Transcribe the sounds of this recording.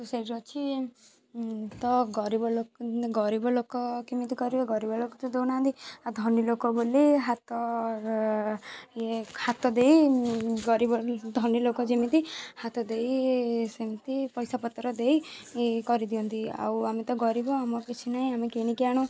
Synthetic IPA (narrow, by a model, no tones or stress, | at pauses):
t̪useiɾɔt͡ʃʰi | t̪ɔɡɔɾibɔlokɡɔɾibɔlokɔkimit̪ikɔɾibeɡɔɾibɔlokɔt̪ɔd̪ewnaɦant̪iad̪ʱɔnilokɔboliɦat̪ɔ | ehat̪ɔd̪eiɡɔɾibɔd̪ʱɔnilokɔd͡ʒemit̪ihat̪ɔd̪ejsemit̪ipɔjsapɔt̪ːɾɔd̪eikɔɾid̪ijɔnt̪ia̰wamet̪ɔɡɔɾibɔamɔkit͡ʃʰinaĩamekeɽ̃ikiaɽ̃ũ